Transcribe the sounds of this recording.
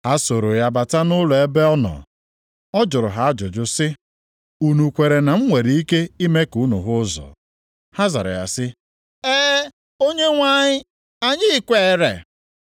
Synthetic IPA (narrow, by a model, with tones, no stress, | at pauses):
ha˦so˨ɾo˨ja˨ba˨ta˦nʊ˦lɔ˨e˦be˦ɔ˦nɔ̰˨ | ɔ˦d͡ʒʊ˨ɾʊ˨ɦa˨a˦d͡ʒʊ˨d͡ʒʊ˦sɪ˦ | u˨nu˨kʷe˨ɾe˨na˨m̩˦ŋʷe˨ɾi˨˦i˦ke˦i˦me˦ku˨˦nṵ˨ɦʊ˦zɔ̰˨ | ha˦za̰˨ɾa̰˨ja̰˨sɪ˦ | eː˦ | o˦ɲe˦ŋʷa˦ɲɪ˦ | a˨ɲɪ˦kʷe˦˨˦ɾe˨